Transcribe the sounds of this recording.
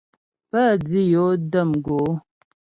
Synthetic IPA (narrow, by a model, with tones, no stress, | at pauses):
pə˦˨di˦jo˨˦də˦˨mɡo˨˦